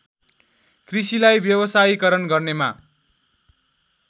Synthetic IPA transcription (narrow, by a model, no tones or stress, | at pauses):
krisilajbjʌbʌsajikʌɾʌnɡʌrnema